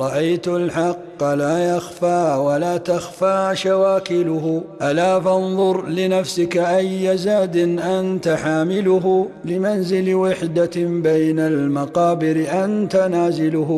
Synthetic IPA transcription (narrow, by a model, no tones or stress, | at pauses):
ɾˤɑʔajt̪alħɑqːlaːjɑxfaːwalaːt̪axfaːʃawaːkɪlʊhʊʔalaːfɑnðˤʊɾlɪnafsɪkʔajːazaːd̪ɪnʔant̪aħaːmɪlʊɦʊ | lɪmanzɪlwaħd̪abajnalmɑqɑːbɪɾɪʔant̪anaːzɪlʊh